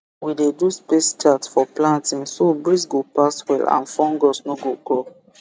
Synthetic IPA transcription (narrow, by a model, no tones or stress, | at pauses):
wideduspestatsfɔplãntĩŋsobɹis̬ɡopaswɛ̰lã̰nfɔ̃ŋɡɔsnoɡokɔ